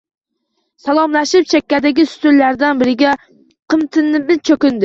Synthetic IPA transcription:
salˠɒmlaʃɪp̚t͡ʃʰekʲːad̪ɪɡʲɪsʊ̥t̪ʰʊllaɾd̪anbɪɾɪɡʲa | qʰɨmt̪ʰɪnːɪbɪt͡ʃʰɵkʲɪnd̪ɪ

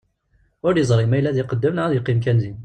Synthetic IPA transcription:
ʊɾjəzˤɾˤimæjlæðiqəd̪ːəmnʕaðiqimk̬ænzin

